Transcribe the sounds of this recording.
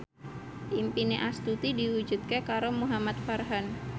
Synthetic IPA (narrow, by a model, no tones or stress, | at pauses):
impineʔast̪ut̪idiwud͡ʒut̪̚kakaɾomuɦamat̪̚farɦan